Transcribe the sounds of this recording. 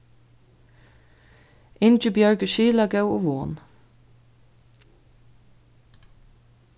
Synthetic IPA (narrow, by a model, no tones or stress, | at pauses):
ʔɪnd͡ʒəbjœɹkəʃiːlɑɡɑʉoːʋoːn